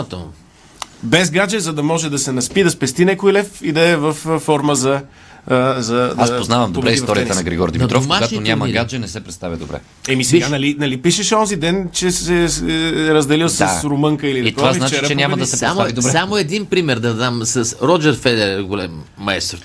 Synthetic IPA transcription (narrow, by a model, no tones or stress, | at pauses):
t̪o | bɛzɡad͡ʒɛzɐd̪ɐmɔʒɛd̪ɐsɛnɐspid̪ɐspɛst̪inɛkojlɛfid̪ɐɛvɐfːɔɾməzɐ | zɐd̪asspoznavɐmd̪obɾɛistɔɾiət̪ənɐɡɾiɡɔɾd̪imd̪t̪ɾɔofmaʃɡationʲamɐiɡad͡ʒɛnɛsɛpɾɛt̪st̪avʲjɐd̪obɾɛ̰ | ɛmisɛɡanɐlinɐlipiʃɛʃɛɔnzid̪ɛnt͡ʃɛsɛ | ɾəzd̪ɛlilˠsɐasɾomɤŋkəiliit̪oɔvaznat͡ʃɾt͡ʃɛnʲɲʲamɐdd̪ɐsɛsɛamoavid̪obɾɛsamoɛd̪inpɾimɛɾd̪ɐd̪amsɐsɾɔd͡ʒɛɾfɛd̪ɛɾɡolɛmː | ɐɛst̪ɾ